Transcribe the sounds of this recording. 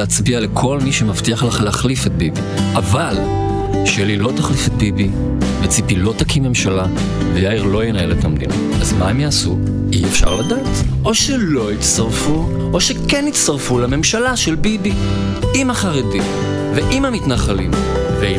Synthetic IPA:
eat͡sbialekʰo̞lmiʃemaft̪iaχlaleaχlifet̪̚bibiʔaval | ʃelilo̞t̪aχlifet̪̚bibi | vet͡sipilo̞takimːe̞mʃala | vejaiʁlo̞jenaeletamdḭn | ʔazmaemjaːsṵ | iefʃa̰ʁladaːtʔo̞ʃelo̞itst̪aʁfu | ʔoʃekenitst̪aʁfulame̞mʃalaʃelbibi | imaχaʁedim | veʔimhamitnaχalḭm | vei

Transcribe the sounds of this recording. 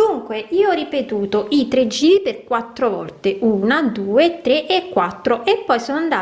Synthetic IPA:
uŋkweʔiːoɔrːipet̪uːt̪oʔit̪ɾed͡ʒiːɾiperkwat̪ːɾovɔ̰lt̪eʔuːnad̪uːet̪ɾeʔekːwat̪ːɾoʔepːɔjsonoand̪aː

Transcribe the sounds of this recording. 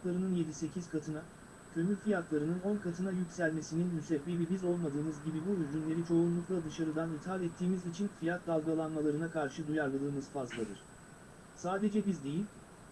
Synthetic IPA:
lˠaɾɯnɯnje̞d̪ise̞cʰiz̥kʰat̪ʰɯna | cʰø̞mylʲfijat̪lˠaɾɯnɯno̞nkʰat̪ʰɯnajycʲsælʲme̞sininmysɛbbebibizo̞lˠmad̪ɯːmɯzɟibibuyzd͡ʒynlʲe̞ɾit͡ʃʰo̞unlˠuklˠad̪ɯʃaɾɯd̪anit̪ʰhalɛt̪ʰːiːmizit͡ʃʰinfijat̪̚d̪alˠɡalˠanmalˠaɾɯnakʰaɾʃɯd̪ujaɾlˠad̪ˠɯːmɯz̥fazlˠad̪ɯɾ̝̥ | saːd̪e̞d͡ʒɛbizd̪e̞jilʲ

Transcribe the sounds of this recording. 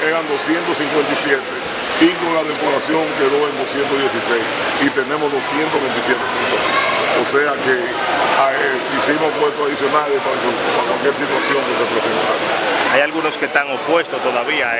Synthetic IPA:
eɾand̪o̞sjent̪osiŋkwe̞nt̪isjet̪e | ikoŋlaðepoɾasjo̞ŋkeðo̞end̪o̞sjent̪oðje̞sisejs | it̪e̞nẽ̞mozðo̞sje̞nt̪oβe̞nt̪isjet̪emilososeake | ae | isimopwest̪oaðisjo̞nalepakwakwalkjeɾsit̪wasjo̞ŋkesepɾesent̪aɾoajalɣuno̞skest̪aŋopwe̞st̪ost̪oðaβia

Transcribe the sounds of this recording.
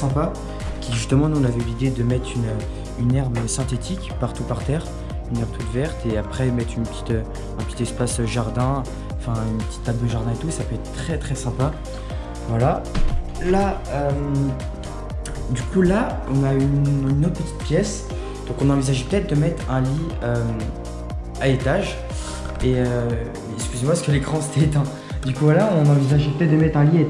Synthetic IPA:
sɛ̃pa | kʲiʒyst̪əmɑ̃nuɔ̃navɛylid̪ed̪əmɛt̪χynø | ynɛʁbəsɛ̃t̪et̪ʰikpaʁt̪upaʁt̪ɛːʁ | ynɛ̃t̪ud̪vɛʁt̪eapχɛmɛt̪χynpət̪ʰi̥t̪ø | ɛ̃pət̪it̪ɛspasøʒaʁd̪ɛ̃ | ɑ̃fɛ̃ynpət̪i̥t̪ːabd̪əʒaʁd̪ɛ̃et̪usapøɛt̪χt̪χɛt̪χɛsɛ̃pa | vwala | laøm | d̪ykula | ɔ̃naynynːot̪̚pət̪i̥t̪̚pjɛs | d̪̥ɔ̃kɔ̃nɑ̃vizaʒepə̥t̪ɛt̪̚d̪əmɛt̪χɛ̃liøm | aet̪aʒ | eø | ɛkskʲyzemwasəkəlekχɑ̃se̥t̪ɛt̪ɛ̃ | d̪ykuvwalaɔ̃nɑ̃vizaʒepət̪ɛt̪̚d̪əmɛt̪χɛ̃lie

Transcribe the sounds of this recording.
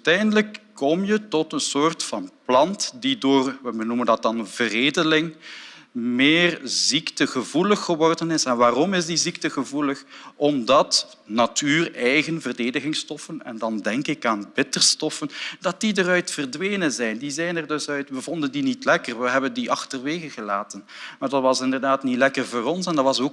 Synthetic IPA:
tɛjndələkː | ɔmjətɔtənsoːrtfɑnplɑntdidoːrəbənuməndɑt̚dɑnvəreːdəlɪŋ | mɪːrziktəɣəvuləxːəʋɔrdənɪsɛnʋaːrɔmɪsdiziktəɣəvuləxʔɔmdɑt | natʰyːrɛjɣənvərdeːdəɣɪŋstɔfənɛ̰ndɑndɛŋkɪkaːnbɪtərstɔfəndɑt̚didərœɥtfərdʋeːnəzɛjndizɛjnɛrdɵsœɥtʋəvɔndəndinitlɛkərʋəɦɛbəndiʔɑxtərʋeːɣəɣəlaːtən | maːrdɑtʋɑsɪndərdaːtnitlɛkərvoːrɔnsɛndɑtʋɑsoː

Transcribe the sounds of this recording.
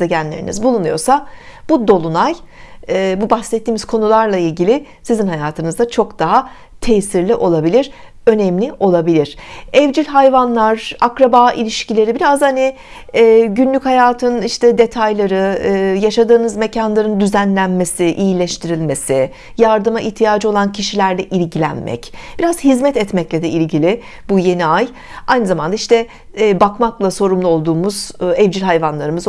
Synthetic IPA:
eɟænlʲeɾḭnḭzbulˠunujo̞sab̥ud̪o̞lˠunaj | ɛbubaxsɛt̪ʰːiːmiz̥kʰo̞nulˠaɾlˠailʲɟilʲɪ | sizinɦajaːt̪ʰɯnɯzd̪at͡ʃʰo̞kd̪̥aɦa | t̪ʰɛsiɾlʲiʔo̞lˠabilʲiɾ̥ | ø̞nɛmlʲiʔo̞lˠabilʲiɾ̝̥ɛvd͡ʒilʲɦajvanlˠaɾa̰kɾabaːʔḭlʲiʃcilʲe̞ɾibiɾazhani | ɛːɟynlʲychajaːt̪ʰɯniʃt̪ʰɛd̪e̞t̪ʰajlˠaɾɯːjaʃad̪ɯːnɯzme̞cʰanlˠaɾɯnd̪yzænlʲænme̞sɪʔijilʲɛʃt̪ʰiɾilʲme̞sɪ | jaɾd̪ɯmaʔiht̪ʰijaːd͡ʒɯo̞lˠancʰiʃilʲæɾlʲɛʔilʲɟilʲæ̰nmʔɛ̰cb̥iɾaz̥hizmɛt̪ɛt̪mɛclʲɛd̪ɛilʲɟilʲɪ | buje̞niaj | ajnɯzamand̪aiʃt̪ʰɛː | bakmaklˠaso̞ɾumlˠuo̞lˠd̪uːmuz̥ɛvd͡ʒilʲɦajvanlˠaɾɯmɯz

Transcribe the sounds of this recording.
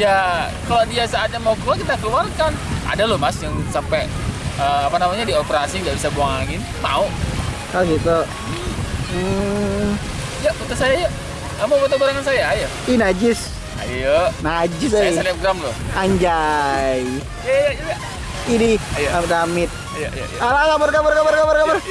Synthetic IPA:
jakalodiasaːd͡ʒamaukəluarkit̪akəluarkana̰dalomasjaŋsampɛəapanamaɲadiopeɾasiudaʔbisaboaŋɪn | ma̰o | kausit̪o | m̩ | jaut̪ʊsajaja | amabat̪̬ubaɾaŋansajaːja | inad͡ʒɪs | a̰jənad͡ʒɪs̬aielɛp̚ɡɾamlʊaɲd͡ʒaj | ajad͡ʒa | idijaamɪt̪amɪt̪̚ | jaja̰ʔalaŋamarkamarkamarkamarkamar

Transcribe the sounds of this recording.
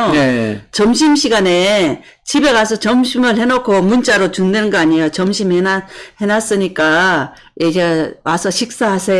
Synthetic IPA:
t͡ɕʌmɕ̬ʰimɕʰiɡane | t͡ɕibe̞ɡasʰʌt͡ɕʌmɕʰimɯɭhenokʰomunt͡ɕ͈aɾot͡ɕundenŋɡʌaɲijot͡ɕʌmɕʰimhenahenas͈ɯɲik͈a | jeɡewasʰʌɕʰik̚s͈aɦasʰe

